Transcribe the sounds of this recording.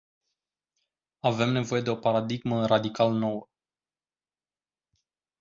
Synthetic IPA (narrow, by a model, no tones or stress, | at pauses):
ave̞mne̞vo̞je̞d̪e̞o̞paɾad̪iɡmərad̪ikaləno̞wə